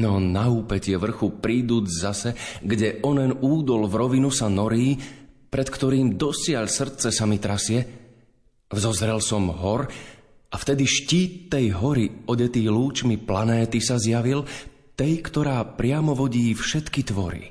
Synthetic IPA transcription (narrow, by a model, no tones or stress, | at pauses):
nɔnauːpɛcɪɛʋr̩xupɾiːd̪uːd͡zzasɛɡɟɛʔɔnɛnuːd̪ɔlvɾɔʋinusanɔɾiːpɾɛt̪kt̪ɔɾiːmd̪ɔsɪaʎsr̩t͡sɛsamit̪ɾasɪɛ | vzɔzɾɛlsɔmɦɔɾ | ʔaft̪ɛd̪iʃciːt̪ːɛjɦɔɾiɔɟɛt̪iːluːt͡ʃmiplanɛːt̪isazjaʋil | t̪ɛjkt̪ɔɾaːpɾɪamɔʋɔɟiːfʃɛt̪kit̪ʋɔɾḭ